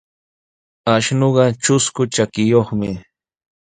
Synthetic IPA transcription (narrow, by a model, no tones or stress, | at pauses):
aʃnoɢɑt͡ʃʊskʊt͡ʃakɪjoχmɪ